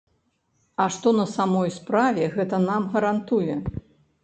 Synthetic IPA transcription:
ɐʂt̪ɔnɐsamɔjspɾavʲɛɣɛt̪ɐnamɣɐɾant̪ujɛ

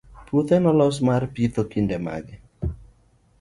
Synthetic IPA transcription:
put̪ɛnɔlɔs̬marpit̪okindɛma̰ɡɪ

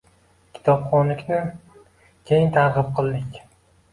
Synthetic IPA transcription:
kʲʰɪ̥t̪ʰɒpχɒnlɪkʲnɪ | kʲʰejɪnt̪ʰaɾʁɨp̚qʰɨlˠd̪ɪkʲ

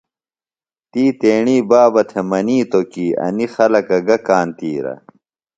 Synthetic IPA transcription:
t̪iːt̪eːɳiːbaːbɐt̪ʰemɐniːt̪okiːɐ̰nixɐlɐkɐɡɐkaːnt̪iːɾɐ̰

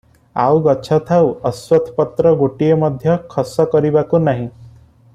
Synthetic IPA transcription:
a̰wɡɔt͡ʃʰɔt̪ʰawɔswɔt̪ʰpɔt̪ɾɔɡoʈijemɔd̪ʱjɔkʰɔsɔkɔɾibakunaɦĩ

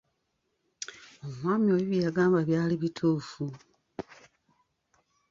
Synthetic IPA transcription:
omwaːmio̞ːjiβijaɡaːmbaβjaːliβitʰuːfu

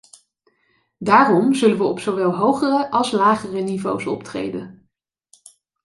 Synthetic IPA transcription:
daːrɔmzɵlənʋəɔpsowʋɛlˠɦowχərəʔɑlˠslaːχərənivowsɔ̰ptrḛjdən

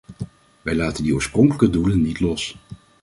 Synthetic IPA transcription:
ʋɛjlaːtəndioːɹsprɔŋkələkədulənːitlɔs

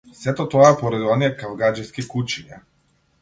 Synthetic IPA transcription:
sɛt̪ɔt̪ɔaɛpɔɾad̪iɔniɛkavɡad͡ʒiskikut͡ʃiɲɛ

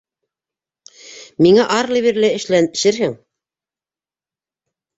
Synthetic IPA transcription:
miŋæʔɑɾlˠiβiɾlæɘ̆ʃlæn̆ʃɘɾɦɘŋ

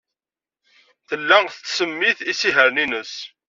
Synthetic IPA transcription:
θəlːæθət͡sːsəmːiθisiɦəɾninəs

